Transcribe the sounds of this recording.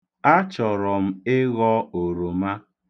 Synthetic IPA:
a˦t͡ʃɔ˨ɾɔ˨m̩˦ɪ˦ɣɔ˦o˨ɾo˨ma˦

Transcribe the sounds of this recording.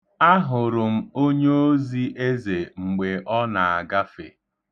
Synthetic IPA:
a˦ɦʊ˨ɾʊ˨m̩˦o˦ɲe˦o˦zi˦ʔe˦ze˨ŋ͡m̩˨ɡ͡be˨ʔɔ˦na˨a˨ɡa˦fḛ˨

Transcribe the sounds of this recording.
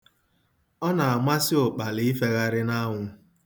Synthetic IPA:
ɔ˦na˨a˨mʷa˦sɪ˦o˨k͡pa˨lɪ˦i˦fe˨ɣa˦ɾɪ˦na˦ŋʷʊ˨

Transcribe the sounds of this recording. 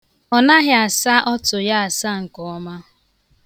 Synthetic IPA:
ɔ˨na˦ɦɪ˦a˨sa˦ʔɔ˦tʊ˨ja˦a˨sa˦ŋ̩˨kɔ˨ɔ˦ma˦

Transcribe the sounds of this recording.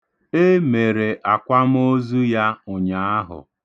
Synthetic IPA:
e˦me˨ɾe˨ʔa˨kʷa˦m̩˦o˦zu˦ja˦ʊ˨ɲa˨a˦ɦʊ̰˨

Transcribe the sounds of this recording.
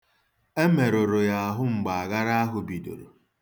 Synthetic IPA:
e˦me˨ɾo˨ɾo˨ja˨a˨ɦʊ˦ŋ͡m̩˨ɡ͡ba˨a˨ɡa˦ɾa˦a˦ɦʊ˨bi˨do̰˨ɾo̰˨

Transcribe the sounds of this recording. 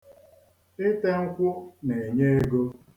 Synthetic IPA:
ɪ˦te˦ŋ̩˦kʷʊ˦ne˨e˨ɲe˦e˦ɡo˦

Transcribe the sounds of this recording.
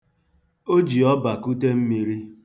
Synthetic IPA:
o˦d͡ʒi˨ɔ˦ba˨ku˦te˦m̩˦mi˨ɾi˦

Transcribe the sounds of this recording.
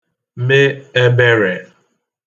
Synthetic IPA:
me˦e˦be˦ɾe˨

